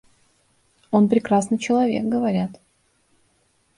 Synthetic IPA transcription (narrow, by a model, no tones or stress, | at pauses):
o̞npɾʲɪkɾasnɨt͡ɕɪlˠɐvʲek̚ɡəvɐɾʲat̪